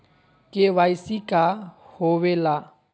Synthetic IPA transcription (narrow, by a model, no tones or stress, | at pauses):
kʼɪbaisikʼahʊbɪla